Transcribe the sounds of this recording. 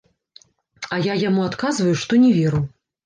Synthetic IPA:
ɐjajamuat̪kazvɐjuʂt̪ɔnʲɛvʲɛɾuw

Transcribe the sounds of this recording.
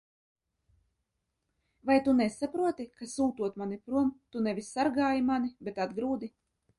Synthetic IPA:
vajt̪unɛsapɾuɔt̪ikasuːt̪uɔt̪manipɾuɔmt̪unɛvʲisːaɾɡaːjimanibʲet̪ad̪ɡɾuːd̪i

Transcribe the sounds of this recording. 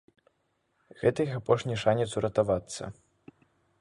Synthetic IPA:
ɣɛt̪ɐjixapɔʂnʲiʂanʲɛt̪suɾɐt̪avat̪sːɐ̰

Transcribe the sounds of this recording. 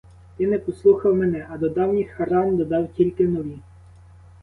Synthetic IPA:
t̪ɪnɛpɔslˠuxɐwmɛnɛʔɐd̪ɔd̪ɑwnʲixɐɾɑmd̪ɔd̪ɑwtʲilʲkɪnɔʋʲi

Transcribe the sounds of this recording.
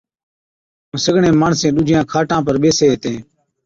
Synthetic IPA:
ə̃səɡɳẽːmaːɳsẽːɗʊd͡ʒʱɪjãːkʰaːʈãːpəɾɓeːseːɦet̪ẽː

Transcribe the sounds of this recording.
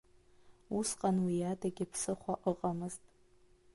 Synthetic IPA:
usqʼanwijadaɡʲɪpʰsɨχʷaʔʼəqʼamɨztʼ

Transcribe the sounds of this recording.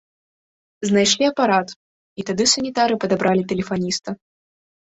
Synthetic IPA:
znajʂlʲiɐpaɾat̪ | it̪ad̪ɨsɐnʲit̪aɾɨpɐd̪abɾʔalʲit̪ɛlʲɛfanʲist̪ɐ

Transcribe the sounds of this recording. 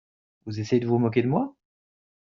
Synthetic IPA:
vuzesejed̪əvumɔk̬ʲed̪əmwa

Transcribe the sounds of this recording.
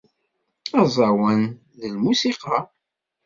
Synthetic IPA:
ɑzˤɑwən | ðəlmusiqɑ

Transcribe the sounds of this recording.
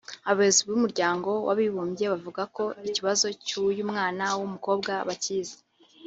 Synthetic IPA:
aββezibumuɾɟaːŋɡo̞wʔa̰βiβuːmbje̞βavuɡako̞iciβazo̞cujuːmŋaːnawumuko̞ːbɡaβaciːze̥

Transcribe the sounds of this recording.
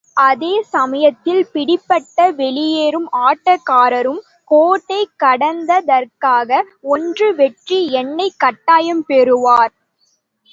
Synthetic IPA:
ʔɐðeːsɐmɐjɐt̪ːɪlpɪɽɪpːɐʈːɐʋɛɭɪjeːɾɯmaːʈːɐkːaːɾɐɾɯm | koːʈːɐɪkːɐɽɐnd̪ɐðɐɾkaːɣɐ | ɔndrɯʋɛʈriɛnːɐɪkːɐʈːaːjɐmpɛɾɯʋaːɾ

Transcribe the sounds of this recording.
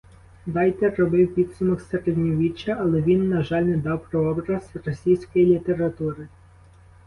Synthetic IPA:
d̪ɑjt̪ɛrːɔbɪwpʲid̪sʊmɔkseɾed̪ʲnʲɔʋʲit͡ʃːɐʔɐlˠɛʋʲinːɐʒɑlʲnɛd̪ɑwpɾɔɔbɾɐzrɔsʲijsʲkɔjilʲit̪eɾɐt̪uɾɪ

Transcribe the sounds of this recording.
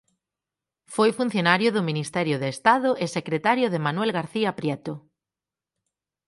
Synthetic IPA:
fojfun̟θjonaɾjʊðʊminist̪ɛɾjʊðeːst̪aðʊʔesekɾet̪aɾjʊðemanwɛlɣaɾθiapɾjɛt̪ʊ

